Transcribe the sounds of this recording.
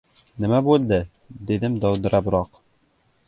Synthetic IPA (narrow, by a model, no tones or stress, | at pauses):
nɘ̆mæbʉld̪ɘ | d̪iðɘmd̪ɒwd̪ɤ̆ɾɑbɾɑq